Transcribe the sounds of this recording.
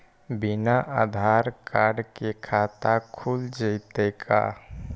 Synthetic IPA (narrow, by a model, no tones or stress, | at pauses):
binaʔad̪ʱaɾkaɾɖkekʰat̪akʰuld͡ʒət̪ekʰa̰